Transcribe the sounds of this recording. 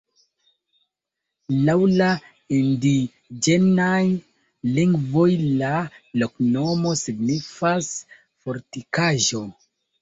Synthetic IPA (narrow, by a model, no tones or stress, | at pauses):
lawla | indi | d͡ʒe̞naj | liŋɡvo̞jlalokno̞mo̞siɡnifas | fo̞ɾtikaʒo̞